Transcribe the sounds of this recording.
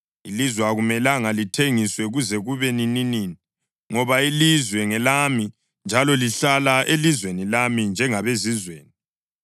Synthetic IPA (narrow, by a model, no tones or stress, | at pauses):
ilizwɛaɣumɛlaŋalitʰeŋiswɛɣuzɛɣuβenininiːni | ŋɔβailizwɛŋɛlami | nd͡ʒʱalɔliɬalaʔelizwenilamind͡ʒʱɛŋaβezizweːni